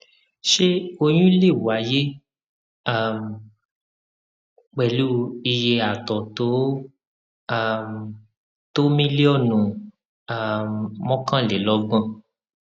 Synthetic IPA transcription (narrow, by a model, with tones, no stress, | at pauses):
ʃe˦o˧j̃ĩ˦le˦˨wa˨˦je˦ | a˦˨m˨ | k͡pɛ˨lu˦i˧je˧a˨tɔ˨to˨˦ | a˦˨m | to˦mĩ˦le˦ɔ˦˨nũ˨ | a˨mmɔ̃˦kã˦˨le˨˦lɔ˦ɡ͡bɔ̃˦˨